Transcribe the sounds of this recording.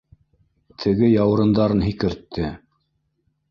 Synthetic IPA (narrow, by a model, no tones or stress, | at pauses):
t̪ʰɘ̆ɡɘjɑwɤ̆ɾɤ̆nd̪ɑɾɤnɦikɘ̆ɾt̪ːɘ